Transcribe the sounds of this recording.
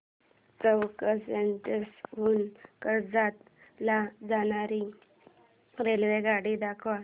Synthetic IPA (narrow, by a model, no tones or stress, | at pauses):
t͡səwkəsenʈəsʋuːnkəɾd͡zat̪ | lad͡zañaɾi | ɾelʋeɡaɽid̪akʰʋa